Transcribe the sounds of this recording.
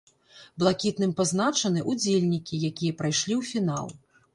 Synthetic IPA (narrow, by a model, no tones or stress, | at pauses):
blˠakʲit̪nɨmpaznat͡ʂɐnɨʔud͡zʲelʲnʲikʲijakʲijɐpɾajʂlʲiwfʲina̰lˠ